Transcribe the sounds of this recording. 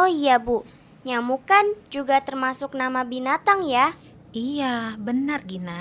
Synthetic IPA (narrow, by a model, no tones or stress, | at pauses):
oijabu | ɲamukand͡ʒuɡat̪ərmasʊk̚namabinat̪aŋja | ijabənarɡina